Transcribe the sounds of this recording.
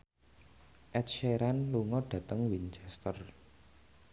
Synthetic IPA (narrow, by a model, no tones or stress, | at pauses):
ʔɛt̪̚ʃeɾanluŋɔɖ̥ä̤t̪əŋwint͡ʃɛst̪ər